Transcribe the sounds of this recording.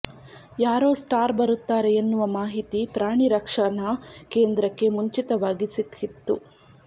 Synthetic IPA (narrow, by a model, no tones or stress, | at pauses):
jaːɾo̞ːsʈaːɾbɐɾut̪ːaːɾeenːuʋɐmaːɦit̪ipɾaːɳiɾɐkʂɐnɐke̞ːnd̪ɾɐkːe̞muɲt͡ʃit̪ɐʋaːɡisit̪ʰit̪ːṵ